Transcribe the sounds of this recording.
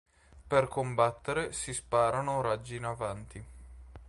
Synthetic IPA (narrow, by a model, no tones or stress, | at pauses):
perkombat̪ːeɾesispaːɾanoɾad͡ʒːinavant̪i